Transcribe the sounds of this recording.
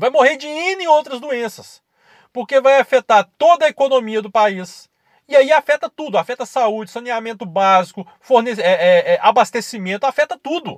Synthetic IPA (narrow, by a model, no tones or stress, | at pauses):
vajmoheɾd͡ʒɪĩnẽowt̪ɾɐzd̪uẽsɐs | poɾkevajafet̪aɾt̪od̪ɐekonõmiɐd̪ʊpais | ɪaiafɛt̪ɐt̪ud̪ʊafɛt̪ɐsaud͡ʒɪsɐ̃niamẽnt̪ʊbazikʊ | foɾneɛɛɛʔabast̪esimẽnt̪ʊafɛt̪ɐt̪ud̪ʊ